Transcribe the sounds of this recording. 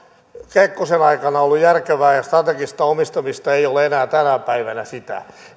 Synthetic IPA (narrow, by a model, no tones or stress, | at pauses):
kekːosenɑikɑnɑolːujjærkeʋæːjɑst̪rɑt̪eɡist̪ɑomist̪ɑmist̪ɑeioleenæːt̪ænæpæiʋænæsit̪æ̰